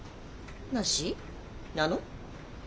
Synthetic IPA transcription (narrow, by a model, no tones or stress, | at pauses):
naɕi | nano